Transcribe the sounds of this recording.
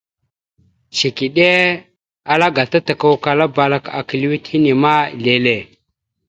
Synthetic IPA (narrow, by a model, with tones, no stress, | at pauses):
ʃi˨ki˨ɗe˦ | a˨la˦ɡa˨ta˦ta˨ka˦˨wka˨la˦ba˨la˦ka̰˨ki˨li˦wi˦thi˦ni˨ma˦˨le˨le˨